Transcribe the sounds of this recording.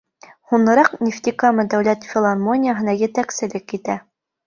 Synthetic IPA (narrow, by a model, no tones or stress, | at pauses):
hunɤ̆ɾɑqnʲɪft̪ʲikamɤd̪æwlæt̪fʲɪlˠarmo̞nʲɪjəɦɤ̆nɑjɘ̆t̪æksɘ̆lɘkːit̪æ